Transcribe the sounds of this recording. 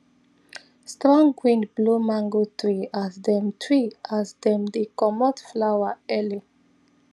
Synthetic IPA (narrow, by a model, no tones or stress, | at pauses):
stɹɔ̃ŋɡwĩndblumãŋɡotɹiazdɛ̃mtʰɹiasdɛ̃mdikɔmɔtflawaɛli